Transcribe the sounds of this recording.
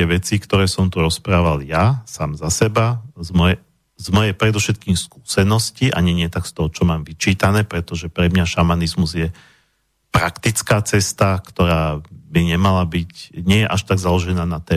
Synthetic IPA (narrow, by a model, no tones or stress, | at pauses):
t̪ɪɛʋɛt͡sikt̪ɔɾɛːsɔmt̪uɾɔspɾaːʋaljasaːmzasɛbazmɔjɛ | zmɔjɛpɾɛd̪ɔfʃɛt̪̚kiːmsku̥ːsɛnɔsciʔa̰ɲɛɲɪɛt̪akst̪ɔɦɔt͡ʃɔmaːmʋit͡ʃiːt̪anɛːpɾɛt̪ɔʒɛpɾɛmɲaʃamanizmuzjɛ | pɾakt̪it͡skaːt͡sɛst̪akt̪ɔɾaːbiɲɛmalabicɲɪɛjɛʔaʃt̪aɡzalɔʒɛnaːnat̪ɛː